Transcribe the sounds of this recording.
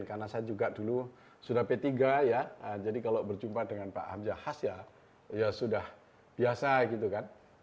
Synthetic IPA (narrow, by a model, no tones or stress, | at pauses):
nkanasad͡ʒuɡaʔdulu | sudahpet̪iɡajaəd͡ʒadikalobərd͡ʒumpadəŋanpa̰ʔhamd͡ʒahasja | jasudah | b̥iasaɡit̪ukan